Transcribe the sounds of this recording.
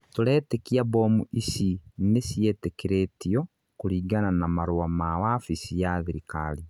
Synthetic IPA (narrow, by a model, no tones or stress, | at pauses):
toɾɛːtekiabomuʔisinesietekeɾetiɔ | kuɾiːɡananamaɾoamawafisijaðiɾikaɾi